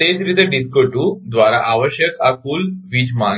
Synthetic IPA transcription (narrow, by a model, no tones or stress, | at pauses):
et̪ɾid̪əɖit̪̚koʈuːd̪ʋaɾaʔaʋəɕjəkakuːlʋid͡ʑma